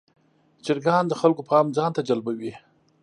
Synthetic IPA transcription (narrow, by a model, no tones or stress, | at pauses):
t͡ʃɪɾɡɑnd̪əxalkopʰɑmd͡zɑnt̪ad͡ʒalbawi